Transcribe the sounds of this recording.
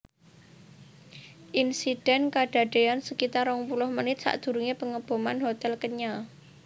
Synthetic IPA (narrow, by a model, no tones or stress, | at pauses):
ʔinsid̥ɛ̤nkaɖ̥a̤ɖ̥e̤ansəkit̪aɾɔŋpulʊhmənɪt̪̚sa̰ʔd̪̥ṳɾuŋepəŋəb̥o̤manɦot̪ɛlkəɲa